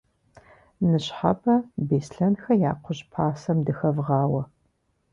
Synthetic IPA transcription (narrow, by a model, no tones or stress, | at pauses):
nɨɕħa̰bʰɐbeːsɬɐnxɐjaːqʷʊʑpʰaːsɐmdɨxɐvʁɑːwɐ